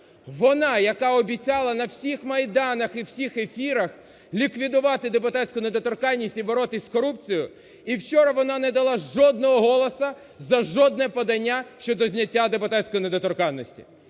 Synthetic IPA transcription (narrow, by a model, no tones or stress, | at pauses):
ʋɔnɑjɐkɑɔbʲit͡sʲɑlˠɐnɐwsʲixmɐjd̪ɑnɐxiwsʲixefʲiɾɐx | lʲikʋʲid̪ʊʋɑt̪ɪd̪epʊt̪atʲsʲkʊned̪ɔt̪ɔrkɑnʲːisʲtʲibɔɾɔt̪ɪsʲkɔɾup̚t͡sʲijʊ | iwt͡ʃɔɾɐʋɔnɑnɛd̪ɐlˠɑʒɔd̪̚nɔɦɔɦɔlˠɔsɐ | zɐʒɔd̪̚nɛpɔd̪ɐnʲːaʃt͡ʃɔd̪ɔzʲnʲɐtʲːad̪epʊt̪atʲsʲkɔjined̪ɔt̪ɔrkɑnːɔsʲtʲi̥̰